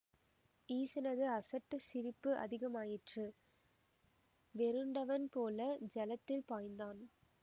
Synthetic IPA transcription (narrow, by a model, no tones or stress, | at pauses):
iːsɐnɐðɯɐsɐʈːɯsɪɾɪpːɯʔɐ̰ðɪɣɐmaːjɪʈrɯ | ʋɛɾɯɳɖɐʋɐnpoːlɐd͡ʒɐlɐt̪ːɪlpaːjnd̪aːn